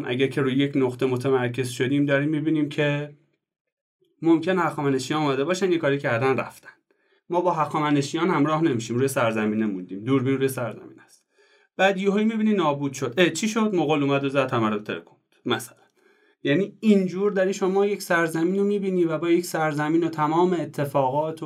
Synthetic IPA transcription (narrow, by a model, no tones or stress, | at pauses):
mʔæ̰ɟæɾcʰe̞ɾuːjjecʰnoɣt̪ʰemot̪ʰemæɾcʰe̞zʃod̪iːmd̪ɒːɾiːmːibiːniːmcʰe̞ | momcʰenehæxɒːmæneʃijɒːnumæd̪e̞bɒːʃænjekʰɒːɾicʰæɾd̪ænræ̰ft̪ʰæ̥n | mɒːbɒːɦæxɒːmæneʃijɒːnhæmɾɒːhne̞miʃiːmɾuːjesæɾzæmiːnemund̪iːmd̪uːɾbiːnɾuːjesæɾzæ̰mḭːnhæst̪ | b̥æd̪joɦojmibiːniːnɒːbuːd̪̥ʃod̪̥ʔet͡ʃʰiːʃod̪moɣoluːmæd̪ozæd̪̥̚hʰæmæɾot̪ʰelḛkʰomud̪̥mæsæ̥læ̥n | jæniːind͡ʒuːɾd̪æɾiːʃomɒːjecsæɾzæmiːnomiːbiːniːvæbɒːjecsæɾzæmiːnot̪ʰæmɒːmeːt̪ʰːe̞fɒːɣɒːt̪ʰo